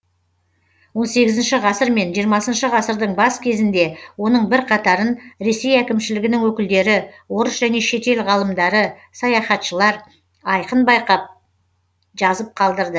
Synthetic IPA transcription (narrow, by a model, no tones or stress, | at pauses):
wo̞nse̞ɡʲɪzɪnʃɪʁɑsəɾme̞nʒijəɾmɑsənʃəʁɑsəɾd̪əɴbɑskʲʰe̞zɪnd̪e̞wo̞nəɴbɪɾqʰɑt̪ɑɾənɾe̞sejækʲɪmʃɪlɪɡʲɪnɪŋwɵkʲɪld̪e̞ɾɪwo̞ɾəsʒæne̞ʃe̞t̪e̞lʁɑlˠəmd̪ɑɾə | sɑjɑχɑt̪ʃəlˠɑɾ | ɑjqənbɑjqɑp̚ | ʒ̥ɑzəp̚qʰɑlˠd̪əɾd̪ə